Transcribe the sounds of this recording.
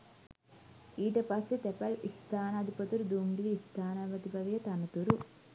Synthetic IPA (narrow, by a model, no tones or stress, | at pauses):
iːʈɐpɐsit̪epɐlist̪ʰaːnɐd̪ipɐt̪uɾd̪uːmɖiliːst̪ʰaːnɐʋɐd̪ipɐʋɐjɐt̪ɐnɐt̪uɾu